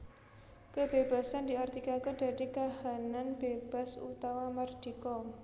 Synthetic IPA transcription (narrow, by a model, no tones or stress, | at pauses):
kəbeba̤sandiart̪ikakəd̥a̤ɾikahananb̥eb̥a̤sṵt̪awamard̥i̤kɔ